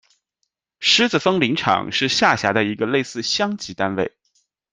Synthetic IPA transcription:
ʂɻ̩˥t͡sɹ̩˨˩fɤ˥ŋli˧˥ŋʈ͡ʂʰɑ̰˨˩˦ŋʂɻ̩˥˧ɕja˥˩ɕja˧˥d̪ə˧i˧˥ɡə˧le˥˧ɪsɹ̩˥˩ɕjɑ˥ŋt͡ɕi˧˥t̪a˥nwe˥˩ɪ

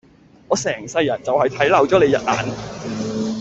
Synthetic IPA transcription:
ŋɔː˨˧sɛː˨˩ŋsɐ˧jːɐ˨˩nt͡sɐ˨whɐ˨jt̪ʰɐ˨˥jlɐ˨wt͡ʃɔː˨˥le˨˧jɐ̰˨t̚ʔa̰ː˨n

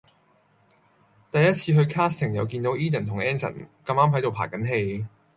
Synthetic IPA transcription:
t̪ɐ˨jɐ˥t̚t͡sʰiː˧ɦɵ˧ɥkʰaː˥st̪ʰɪ˨˩ŋjɐ˨˧wk̬iː˧nt̪o˨˥wʔiː˥t̪ɛ˨˩nt̪ʊ˨˩ŋɛː˥nsɐ̰˨˩nkɐ˧maː˥mɦɐ˨˥jt̪o˨wpʰa̰ː˨˩kɐ˨˥nɦe˧j

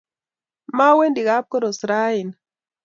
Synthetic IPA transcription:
ma˦we˦ndi˨ɣa˦p̚kɔ˦ɾo˨sɾa˦i˨n

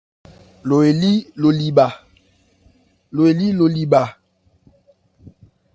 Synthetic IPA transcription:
lo˨e˨li˦lo˨li˨ba˨ | lo˨e˨li˦lo˨li˨ba˨

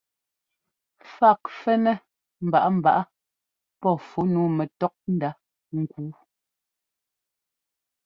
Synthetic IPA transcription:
fa˦˨k̚fɛ˦nɛ˦ | m̩˨ba̰˨ʔa˦m̩˨ba̰˨ʔa˦ | pɔ˦˨fo˦nuː˨˦mɛ˨tɔ˦k̚n̩˦da˦ | ŋ̩˨kuː˦

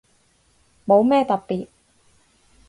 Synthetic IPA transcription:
mo˨˧wmɛː˥t̪ɐ˨t̚piː˨t̚

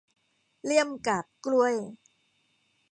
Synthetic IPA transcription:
li˥˩əmkaː˨˩p̚klu˧˩əj

